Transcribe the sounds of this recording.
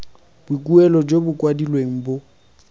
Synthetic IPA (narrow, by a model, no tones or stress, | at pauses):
b̥ukʼuɛlɔd͡ʒobʊkʼwadilweŋ̩bo